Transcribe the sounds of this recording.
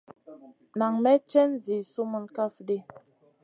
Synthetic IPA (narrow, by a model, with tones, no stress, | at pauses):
na˨ŋmɛ˦t͡ʃɛ˦nzi˨su˦mə˦˨nka˦fde˦